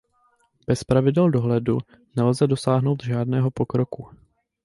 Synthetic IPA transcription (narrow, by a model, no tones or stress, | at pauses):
b̥ɛspɾavɪdɛldo̞ɦlɛdu | nɛlzɛdo̞saːɦno̞wt̪ʒaːdnɛːɦo̞po̞kɾo̞ku